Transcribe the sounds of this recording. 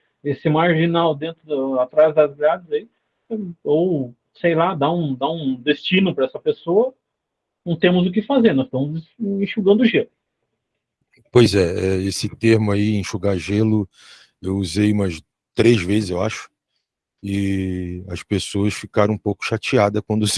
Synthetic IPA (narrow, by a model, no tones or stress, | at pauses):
esɪmaɾʒinawd̪ẽnt̪ɾʊd̪ɐat̪ɾazd̪ɐzɡɾad̪ɪzai | ow | sejlad̪aũd̪aũd̪est͡ʃĩnʊpɾɐɛsɐpesoɐ | nɐ̃w̃t̪ẽmʊzʊk̬ɪfazeɾnɔst̪ɐ̃mʊzĩʃuɡɐ̃nd̪ʊʒelʊ | pojzɛɛesɪt̪eɾmʊaiĩʃuɡaʒelʊ | ewuzejũmɐs | t̪ɾezvezɪzewa̰ʃʊ̥ | ɪ | ɐspesoɐsfikaɾɐ̃ũpowkʊ̥ʃat͡ʃiad̪ɐkwɐ̃nd̪ʊ